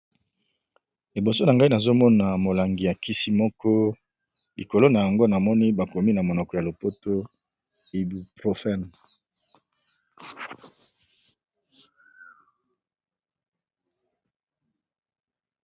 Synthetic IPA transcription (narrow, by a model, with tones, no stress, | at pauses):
li˨bo˨so˦na˨ŋɡa˦i˦na˨zo˦mɔ˦na˨mo˨la˨ŋɡi˨ja˨ki˦si˦mɔ˦kɔ˦ | li˨ko˨lo˦na˨ja˨ŋɡo˦na˨mɔ˦ni˦ba˨ko˨mi˦na˨mo˨nɔ˨kɔ˨ja˨lo˨po˦to˦ | e˨bi˨pʁo˨fɛ˦˨n